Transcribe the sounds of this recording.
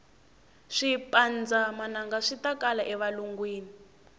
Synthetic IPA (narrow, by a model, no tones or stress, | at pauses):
ʂipand͡zamanaŋɡaʂitakalaʔɛβaluŋɡwiːni